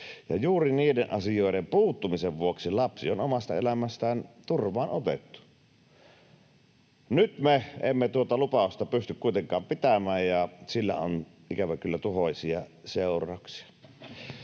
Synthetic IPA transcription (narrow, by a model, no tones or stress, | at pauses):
jɑ̰juːriniːdenʔɑ̰sijoˑeɾempuːt̪ːumiseʋʋuoksilɑpsionomɑst̪ɑ̰ḛlæmæst̪æːnt̪urʋˑɑːnot̪ḛt̪ːu̥ | nyt̪meḛmːet̪uot̪ɑlupɑˑust̪ɑpyst̪ykkuit̪eŋkˑɑːmpit̪æmæːjjɑsilːæ̰o̰n | ikæʋækylːæt̪uhoˑsiɑseˑurˑɑˑoksi̥ɑ̥